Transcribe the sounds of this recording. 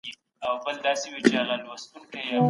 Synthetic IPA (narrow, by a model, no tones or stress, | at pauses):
i | awbəld̪ɑsewit͡ʃealalwast̪uŋkaja